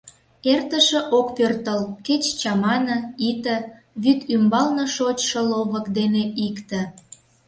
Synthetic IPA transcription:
ert̪əʃĕʔokpørt̪əlket͡ɕt͡ɕɑmɑnə̆it̪ə̆ | βyt̪ymbɑlnə̆ʃot͡ɕʃə̆loβə̆kd̪eneikt̪ə̆

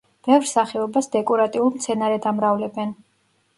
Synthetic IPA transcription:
b̥ɛvɾsaχɛɔbasd̪ɛkʼɔɾat̪ʼiulˠmt̪sʰɛnaɾɛd̪amɾavlɛbɛn

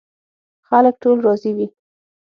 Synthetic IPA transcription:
xalək̚ʈolɾɑziwi

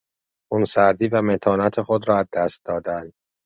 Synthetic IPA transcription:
unsæɾd̪iːvæmet̪ʰɒːnæt̪ʰexod̪ɾɒːæzd̪æst̪̚d̪ɒːd̪ænd̪̥

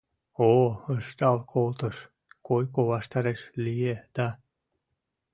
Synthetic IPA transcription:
oəʃt̪ɑlkʰolt̪əʃ | kojkoβɑʃt̪ɑɾeʃlijed̪̥ɑ

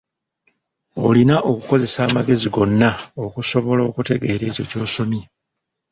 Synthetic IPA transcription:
o̞̰linaʔo̞kuko̞ze̞saːmaɡe̞ziɡo̞nːaokuso̞βo̞lo̞ːkute̞ɡe̞ːɾe̞ːco̞co̞ːso̞mi

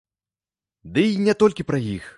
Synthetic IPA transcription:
d̪ɨinʲɛt̪ɔlʲkʲipɾɐjix

